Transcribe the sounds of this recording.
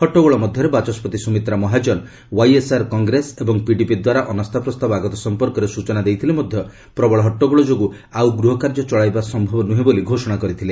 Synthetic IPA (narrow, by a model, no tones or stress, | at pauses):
ɦɔʈːɔɡɔɭɔmɔd̪ʱjɔɾebat͡ʃɔspɔt̪isumit̪ɾamɔɦad͡ʒɔn | wajesaɾkɔŋɡɾesebɔŋpiɖipid̪waɾaʔɔnɔst̪ʰapɾɔst̪abɔaɡɔt̪ɔsɔmpɔɾkɔɾesut͡ʃɔnad̪ejt̪ʰilemɔd̪ʱjɔ | pɾɔbɔɭɔɦɔʈːɔɡɔɭɔd͡ʒoɡu | awɡɾuɦɔkaɾd͡ʒɔt͡ʃɔɭajbasɔmbʱɔbɔnuɦeboliɡʱosɔɽ̃akɔɾit̪ʰile